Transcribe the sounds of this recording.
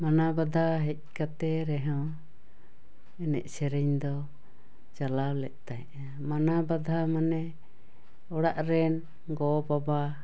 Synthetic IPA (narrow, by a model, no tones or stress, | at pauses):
manabad̪ʱaɦɛc̪̚ˀkat̪ɛɾɛɦɔ̃ | ɛnɛ̰ʔsɛɾɛɲd̪ɔ | t͡ʃalawlɛ̰ʔt̪ajʔ | manabad̪ʱamanɛ | ɔɽaʔɾɛn | ɡɔbaba